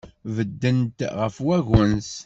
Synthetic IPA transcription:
vəd̪ːənt̪ʁəfwæʝəns

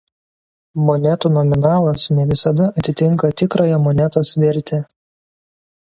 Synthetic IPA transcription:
mɔnʲɛt̪uːnɔmʲɪnɑːlˠɐsnʲɛʋʲɪsɐd̪ɐɐt̪ʲɪt̪ʲɪŋkɐt̪ʲɪkɾoːjɛmɔnʲɛt̪osʋʲɛɾʲt̪ʲe

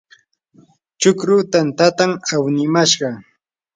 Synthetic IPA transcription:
t͡ʃʊkɾʊt̪ant̪at̪amawnɪmaʃɢɑ

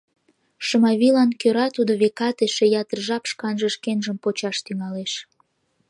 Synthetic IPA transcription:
ʃəmɑβilɑnkøɾɑt̪ud̪oβekɑt̪eʃejɑt̪ərʒɑpʃkɑnʒəʃkenʒəmpot͡ɕɑʃt̪yŋɑleʃ

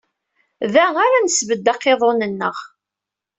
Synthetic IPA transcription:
ðæaɾænəsvəd̪ːɑqːeðˤonənːəʁ

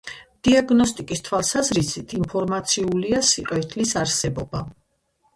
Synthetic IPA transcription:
d̪̥iaɡnɔst̪ʼikʼist̪ʰwalˠsazɾisit̪ʰimpʰɔɾmat̪sʰiuliasiqʼɛt̪ʰlisaɾsɛbɔba

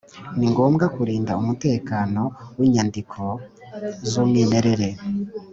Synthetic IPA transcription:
niŋɡo̞ːmɡakuɾiːndaumute̞ːkaːno̞wiɲandikʰo̞ | zuːmŋiːne̞ɾe̞ɾe̞

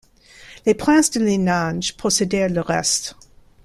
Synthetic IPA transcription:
lepχɛ̃sd̪əlenãʒpχɔsed̪ɛʁləʁɛ̰st̪

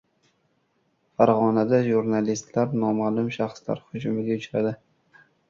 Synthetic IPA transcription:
faɾʁɒnad̪aʒuɾnalist̪laɾnɒmalˠʊmʃaχsla̰ɾhʊd͡ʒʊmɪɡʲaʊt͡ʃɾad̪ɪ

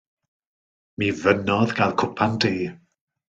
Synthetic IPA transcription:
mivənɔðɡalˠkʰʊpʰandeː

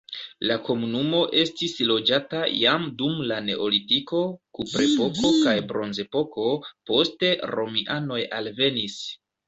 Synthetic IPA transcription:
lako̞munumo̞ʔe̞stislo̞d͡ʒatajamdumlane̞ʔolitiko̞kupɾe̞po̞ko̞kajbɾo̞nze̞po̞ko̞po̞ste̞ɾo̞miʔano̞jalve̞nis

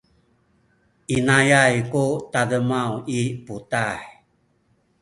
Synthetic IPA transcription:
inajajkut̪adəmawiputaj

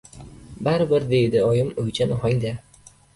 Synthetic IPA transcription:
baɾbɪɾd̪e̞jd̪ɪɒjɪmojt͡ʃʰanɪɦɒjd̪a

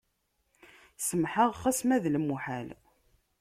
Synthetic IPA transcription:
səmħəʁχæsmæðləmːuħæl

